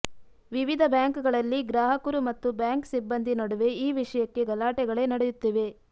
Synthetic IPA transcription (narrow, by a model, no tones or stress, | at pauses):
ʋiʋid̪ʱɐbjaːŋkuɡɐɭɐlːiɡɾaːɦɐkuɾumɐt̪ːubjaːŋksibːɐnd̪ʱinɐɽuʋe̞iːʋiʂɐjɐkːe̞ɡɐlaːʈɛɡɐɭe̞ːnɐɽejut̪ːiʋe̞